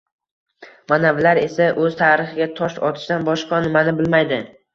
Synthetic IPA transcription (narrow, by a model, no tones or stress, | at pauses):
manavlaɾe̞saʔɵzt̪ʰaɾɪχɪɡʲat̪ʰɒʃɒ̰t̪ʰɪ̥ʃd̪anbɒʃqʰɑnɪmanɪbɪlmajd̪ɪ